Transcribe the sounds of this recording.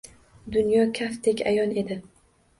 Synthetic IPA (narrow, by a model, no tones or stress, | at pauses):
d̪ʊnjɒkʲʰaft̪ʰekʲajɒne̞d̪ɪ